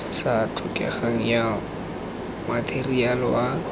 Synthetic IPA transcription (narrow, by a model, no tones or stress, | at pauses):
satʰʊkʼɛ̰χaŋ̩ja | matʰerialɪwa